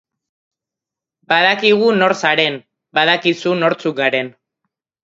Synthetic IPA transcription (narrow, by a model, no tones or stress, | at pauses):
baðakiɣ̞uno̞ɾsaɾe̞n | baðakisuno̞ɾt͡sukɡaɾe̞n